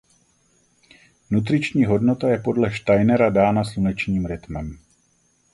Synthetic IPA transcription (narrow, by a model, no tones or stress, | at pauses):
nut̪̬rɪt͡ʃɲiːɦo̞dno̞t̪ajɛpo̞dlɛʃt̪ajnɛɾadaːnaslunɛt͡ʃɲiːmɾɪt̪mɛm